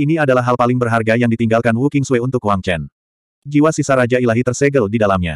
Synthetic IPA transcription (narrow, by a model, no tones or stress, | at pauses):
iniadalaɦːalpalɪŋbərɦarɡajaŋdit̪iŋɡalkanwukɪŋsuɛunt̪ʊkwaŋt͡ʃɛn | d͡ʒiwasisaɾad͡ʒailaɦit̪ərsɛɡəldidalamɲa̰